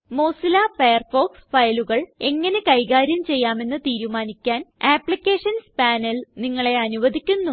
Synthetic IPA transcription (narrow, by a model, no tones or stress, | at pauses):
mo̞ːsilaːfejɐrfo̞ːksfɐjluɣɐɭe̞ŋːɐne̞kɐjɣaːɾjɐmt͡ɕe̞jːaːme̞nːɨt̪iːɾumaːnikʲːaːneːpɭikʲːe̞ːʂɐnspaːnɐlniŋːɐɭe̞ɐnuʋɐd̪ʱikʲːunːu